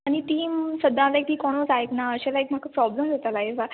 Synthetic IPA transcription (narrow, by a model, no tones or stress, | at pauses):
aɽ̃iʈ̪iːmsəd̪ʱãlak̚t̪iːkɔɽ̃od͡zajknaəɕalaek̚m̤akapɾɔbləmd͡zʱat̪alajeʋa